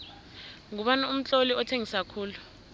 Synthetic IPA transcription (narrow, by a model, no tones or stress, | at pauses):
ŋuɓanaum̩t͡ɬʼoliɔtʰeŋisakʰuːlu